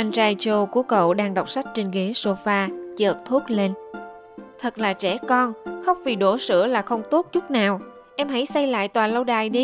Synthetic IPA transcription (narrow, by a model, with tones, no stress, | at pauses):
ʔa˧jŋ̟t͡ɕaː˧jt͡ɕo˧ku˨˦əkə̰˧˨wɗaː˧ŋɗa˨˩wk͡p̚sa˦˥k̟̚t͡ɕi˧ŋɣe˨˦so˧faː˧t͡ɕəː˨˩t̚t̪ʰu˦˥ət̚le˧n | t̪ʰə˨˩t̚laː˨˩t͡ɕɛ˧˩kɔ˧nxa˦˥wk͡p̚vi˨˩ɗo˧˩sɨ̰˧˥əlaː˨˩xə˧wŋ͡mt̪o˦˥t̚t͡ɕʊ˦˥k͡p̚naː˨˩w | ʔɛ˧mɦa˧˥jsa˧jla̰ː˧˨jt̪waː˨˩lə˧wɗaː˨˩jɗi˧